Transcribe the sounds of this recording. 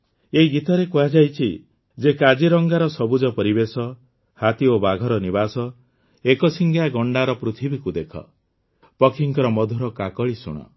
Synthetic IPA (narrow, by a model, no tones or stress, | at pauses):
eiɡit̪ɔɾekuad͡ʒajt͡ʃʰi | d͡ʒekad͡ʒiɾɔŋɡaɾɔsɔbud͡ʒɔpɔɾibesɔ | hat̪iobaɡʱɔɾɔnibasɔ | ekɔsiŋɡjaɡɔɳɖaɾɔpɾut̪ʰibikud̪ekʰɔ̰ | pɔkʰiŋkɔɾɔmɔd̪ʱuɾɔkakɔɭisṵɽ̃ɔ̰